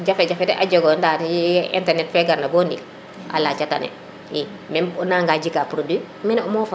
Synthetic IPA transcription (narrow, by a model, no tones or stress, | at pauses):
ɟafɛɟafɛdɛʔaɟoɡɔndatḭntɛɾnɛtfɛɡaɾnabɔːndil | ʔa̰laːt͡ʃata̰nɛ̰ | i | mɛnnaŋɡaɟikapɾodi | mɛnɔmɔfa